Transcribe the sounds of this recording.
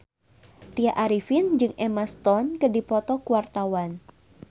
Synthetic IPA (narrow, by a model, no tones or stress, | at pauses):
t̪iaʔaɾifind͡ʒɨŋɛmast̪ɔnkədipɔt̪ɔkuwart̪awan